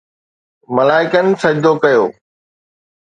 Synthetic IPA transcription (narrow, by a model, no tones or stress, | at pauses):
mɐlaːɪkənɪ̆sɐd͡ʑd̪okɐjoː